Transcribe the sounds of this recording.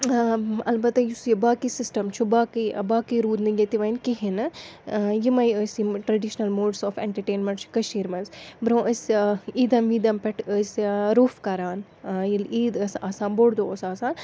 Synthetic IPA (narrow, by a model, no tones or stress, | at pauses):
ɐ̰lbɐt̪ɐjusjibaːkisisʈɐmt͡ʃʰubaːkibaːkiɾuːd̪niɡɐt̪iʋɐjnkiɦin | jimɐjəsiʈɾɐɖiʃnɐlmoːɖsoːfḛɳʈɐɾʈeːnmeɳʈskɐʃiːɾmɐnsbɾõːʔəsiːd̪ɐmʋiːd̪ɐmpɐʈʰəsɾoːfkɐɾaːn | iliːd̪ɐsasaːnboːɽd̪oosaːsaːn